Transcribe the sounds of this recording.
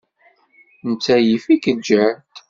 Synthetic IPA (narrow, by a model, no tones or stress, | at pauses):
nt͡sːæjifikəd͡ʒːæt̪